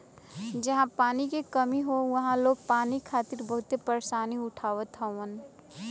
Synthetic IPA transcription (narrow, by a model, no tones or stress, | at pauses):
d͡ʒɐɦãpaːnikekəmiɦoʋɐɦãloːɡ̚paːnikʰaːt̪ɪɾbɐɦʊt̪epəɾeʃaːniʊʈʰaːʋət̪ʰɦaən